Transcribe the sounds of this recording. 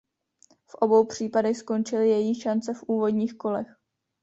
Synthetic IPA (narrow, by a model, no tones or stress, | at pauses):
fʔo̞bo̞wpr̝̥iːpadɛxsko̞nt͡ʃɪlɪjɛjiʃant͡sɛfʔuːvo̞dɲiːxko̞lɛx